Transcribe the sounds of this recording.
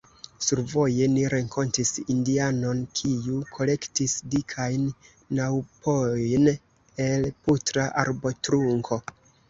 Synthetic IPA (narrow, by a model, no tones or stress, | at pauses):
suɾvo̞je̞niɾe̞ŋkʰo̞ntisindiano̞nkʰiukʰo̞le̞ktisdikʰajnː | awpʰojn | e̞lputɾaʔa̰ɾbo̞tɾuŋkʰo̞